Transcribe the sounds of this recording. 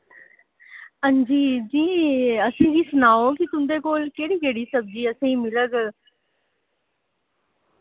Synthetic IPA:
ənd͡ʒiːd͡ʒiːəsĩːd̪iːsʊnaːoːkit̪ʊmd̪eːkoːlkeːɽiːkeːɽiːsəb̚d͡ʒiːəsẽĩːmɪləɡ

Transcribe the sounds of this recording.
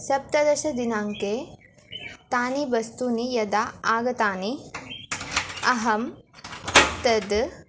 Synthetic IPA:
sɐp̚t̪ɐd̪ɐʃɐd̪inaːŋke | t̪aːnibɐst̪uːnijɐd̪aːaːɡɐt̪aːni | ɐɦɐm | t̪ɐd̪

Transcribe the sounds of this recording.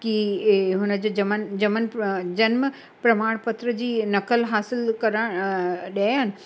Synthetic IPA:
kiɦʊnəd͡ʑoːd͡ʑɐmənd͡ʑɐmənd͡ʑɐnm | pɾɐmaːɽ̃pɐt̪ɾəd͡ʑiːnɐkəlɦaːsɪlkɐɾə̃ɗaːjənɪ̆

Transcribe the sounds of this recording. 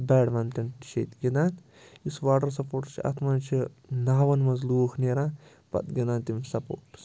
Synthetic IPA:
bɛːɽmɐnt̪inʃḛt̪ɡʲid̪aːn | isʋaːʈɐɾsɐpoːɾʈt͡ʃʰiɐ̰t̪ʰmɐnt͡ʃʰinaːʋɐnmɐzluːxneːɾãː | pɐ̰t̪ɡʲinaːnt̪imsɐpo̰ːʈs

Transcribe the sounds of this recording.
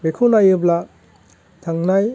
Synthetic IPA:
bekʰunajɯbla | t̪ʰaŋnaj

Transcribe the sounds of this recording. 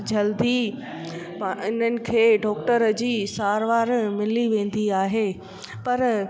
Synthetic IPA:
d͡ʑɐld̪i | pʔɪnənɪ̆kʰeːɖɔːk̚ʈəɾd͡ʑiːsaːɾʋaːɾmɪliʋẽːn̆d̪iaːɦeː | pɐɾ

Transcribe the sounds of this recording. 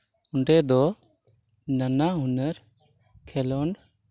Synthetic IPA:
uɳɖɛd̪ɔ | nanaɦunəɾ | kʰɛlɔn

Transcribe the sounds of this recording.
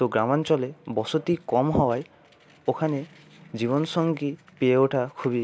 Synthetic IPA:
t̪oɡɾamant͡ʃɔlebɔsot̪ikɔmɦɔwaj | okʰane | d͡ʑiβɔnsɔŋkipeeoʈʰakʰubi

